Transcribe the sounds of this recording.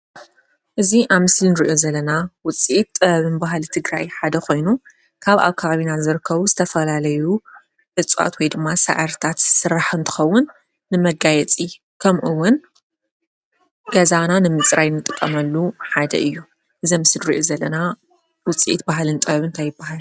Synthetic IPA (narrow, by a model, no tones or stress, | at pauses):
ʔɨziʔamɨslnɨɾiʔozɐlːɐnawʊt͡sʼiʔit̪ʼːɐβɐβɨnbaɦlit̪ʰɨɡɾajħad̪ɐkʰo̞jnu | kʰaβʔa̰βkʰaβaβinazɨɾɨkʰːɐβuzɨt̪ʰɐfɐlalɐju | ʔɨt͡sʼo̰t̪wɔjd̪ɨmːasa̰ʕaɾt̪ʰat̪sɨrːaħɨnt̪ʰɨ̥xɐwːʊnː | ɨmɐɡajɛt͡sʼi | kʰɐmʔɨwːʊn | ɡ̥ɐzananɨmɨt͡sʼɾajnɨt̪ʼɨkʼːɐmɐlːuħad̪ɐ̰ʔɨjːu | ʔɨziɐmɨsɨlɾiʔozɐlːɐna | wʊt͡sʼḭʔḭt̪̚baɦlɨnt̪ʼɐβɐβɨnt̪ʰajɪbːaɦal